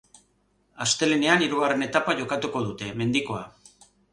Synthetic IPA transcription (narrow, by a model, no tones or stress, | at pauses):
ast̪e̞leneaniɾuɣ̞are̞ne̞t̪apaʝo̞kat̪uko̞ð̞ut̪e̞me̞nd̪iko̞a